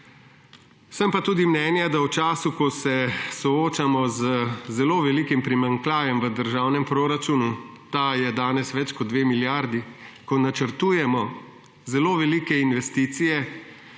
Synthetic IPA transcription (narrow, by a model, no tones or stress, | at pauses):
səmpat̪uːd̪imnɛːnjad̪awt͡ʃaːsukɔsɛsɔoːt͡ʃamɔzəzɛloːʋɛliːkimpɾimaŋklaːʋjɛmʋəd̪əɾʒawnɛmpɾoːɾat͡ʃuːnut̪ajɛd̪aːnɛsʋɛt͡ʃkɔd̪ʋeːmiljaɾd̪ikɔnat͡ʃəɾt̪uːjɛmɔ | zɛloːʋɛliːkɛinʋɛst̪iːt̪sijɛ